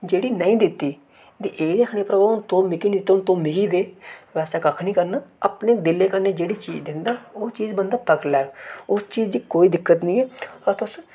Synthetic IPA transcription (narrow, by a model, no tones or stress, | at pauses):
d͡ʒeːɽiːnəĩːd̪ɪt̪ːiː | d̪iʔeːləkʰɳeːpɾəbaːʊnt̪õːmɪkiːniːd̪ɪt̪ːʊnt̪õːmɪkiːd̪eːʋɛːsɛːkəkʰnĩːkəɾnaːəpneːkd̪ɪlːeːkəɾneːd͡ʒeːɽiːt͡ʃiːd͡ʒd̪ɪ̃nd̪aːoːt͡ʃiːd͡ʒbənd̪aːpəklɛːɡʊst͡ʃiːzd̪iːkoːiːd̪ɪkːət̪nĩːɛːət̪ʊs